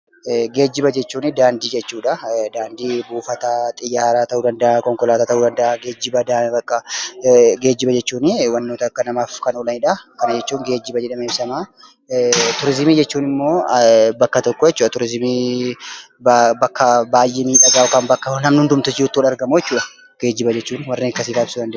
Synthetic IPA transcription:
ɡe̞ːd͡ʒːɪbɐd͡ʒɛt͡ʃːuːnɪd̪aːnd̪iːd͡ʒɛt͡ʃːuːᶑɐd̪aːnd̪iːbuːfɐt̪at̪ʼɪjːaːɾaːt̪ɐʔuːd̪ɐnd̪ɐʔakɔŋkɔlaːt̪ɐːt̪ɐʔuːd̪ɐnd̪ɐʔaɡe̞ːd͡ʒːɪbɐd̪abɐkːɐ | ɡe̞ːd͡ʒːɪbɐd͡ʒɛt͡ʃːuːnɪwɐnːoːt̪ɐkːɐnɐmaːfkɐnɔlɐnɪːᶑɐkɐnɐd͡ʒɛt͡ʃːuːŋɡe̞ːd͡ʒːɪbɐd͡ʒɛᶑɐmeːbsɐmaː | t̪ʊɾɪzmiːd͡ʒɛt͡ʃːuːnɪmːo̞ːbɐkːɐt̪ɔkːɔjɛt͡ʃːuːɐt̪ʊɾɪzmiː | bɐkːɐbaːjʔeːmiːᶑɐɡaːʔʊkaːnbɐkːɐnɐmnʊnd̪ʊmt̪ʊsiːʊt̪ːwɐlɐɾɡɐmʊjɛt͡ʃːuːᶑɐ̥ | ɡ̥e̞ːd͡ʒːɪbɐd͡ʒɛt͡ʃːuːnwɐrːekːɐsɪɡaːbɪsuːd̪ɐnd̪ɐ

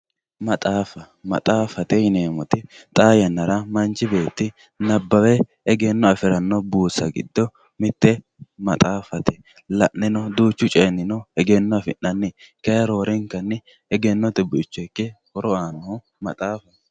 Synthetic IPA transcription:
mɐt̪ʼaːfɐ | mɐ̰t̪ʼaːfɐt̪ɛjɪneːmɔt̪ɪ | t̪ʼaːjɐnːɐɾɐmɐnt͡ʃːɪbe̞ːt̪ːɪ | nɐbːɐwɛ | ɛɡenːɔɐfɪɾɐnːɔbuːsɐ̰ɡɪ̰d̪ːɔ | mɪt̪ːɛ | mɐt̪ʼaːfɐt̪ɛ̥ | lɐʔʔɪnɔd̪uːt͡ʃːʊt͡ʃʼɛnːɪnɔhɛɡenːɔɐfɪnːɐnːɪkɐjɐɾo̞ːɾɪŋkːɐnːɪ | ɛɡɛnːɔt̪ɪbʊɪt͡ʃːɔkːɛhɔɾɔaːnɔhʊ | mɐt̪ʼaːfɐ

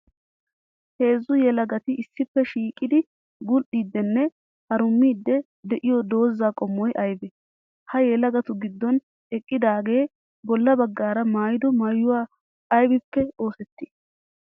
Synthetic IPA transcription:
he̞ːzːʊjɛlɐɡɐt̪ɪʔɪsːɪpːɛʃiːkʼɪd̪ɪ | ɡʊlɗiːd̪ːɛnːɛ | hɐɾʊmːiːd̪ːɛ | d̪ɛʔɪjɔd̪o̞ːzːaːkʼɔmːɔjʔɐjbɛ | hɐjɛlɐɡɐt̪ʊɡɪd̪ːɔn | ɛkʼːɪd̪aːɡe̞ː | bɔlːɐbɐɡːaːɾɐmaːjɪd̪ɔmɐjːʊwaː | ɐjbɪpːɛo̞ːsɛt̪ːɪ̥

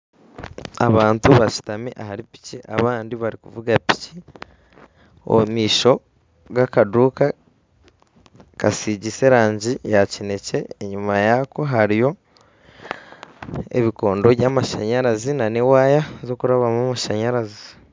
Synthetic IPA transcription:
a̰βaːntuβaci̥tamiʔahaɾipi̥ciʔaβaːndiβaɾikuvuɡapi̥ci | o̰miːʃo̞ | ɡakaduːka | kasiːɟise̞ɾaːɲɟijacine̞ce̞ːɲumajako̞ɦaɾijo̞ | ḛβiko̞ːndo̞βjaːmaʃaɲaɾazinanewaːjazo̞kuɾaβamumaʃaɲaɾazi̥

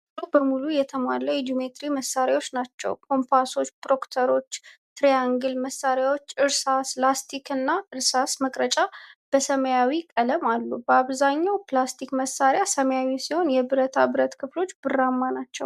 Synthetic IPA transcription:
obəmulujɛt̪ʰəmaləjɛd̪umet̪ɾiməsːaɾawo̞t͡ʃːnat͡ʃːɛ̰wkʰo̞mpʰaso̞t͡ʃːpɾo̞kt̪ʰəɾo̞t͡ʃːt̪ɾejaŋɡɨlməsːaɾjawo̞t͡ʃːɨɾsaslast̪ʰikʰɨnːaʔɨɾsasməkʼɾət͡ʃʼab̥əsəməjawikʼələmalːubəaβzaɲːawplast̪ʰikməsːaɾjasəməjawisiho̞njɛbɨɾət̪ʰabɨɾət̪kʰɨflo̞t͡ʃːbɨrːamːanat͡ʃːɛw

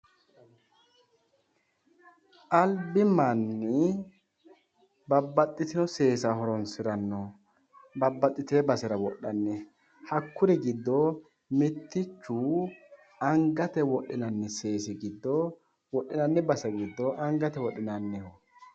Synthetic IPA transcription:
ʔɐlbɪmanːɪ | bɐbːɐt̪ʼːɪt̪ɪnɔse̞ːsɐhɔɾɔnsɪɾɐnːɔ | bɐbːɐt̪ʼːɪt̪e̞ːbɐsɛɾɐwɔɗːɐnːɛ | hɐkːʊɾɪɡɪd̪ːɔ | mɪt̪ːɪt͡ʃːuː | ɐŋɡɐt̪ɛwɔɗːɪnɐnːɪse̞ːsɪɡɪd̪ːɔ | wɔɗːɪnɐnːɛbɐsɛɡɪd̪ːɔʔɐŋɡɐt̪ɛwɔɗɪnɐnːɛhɔ

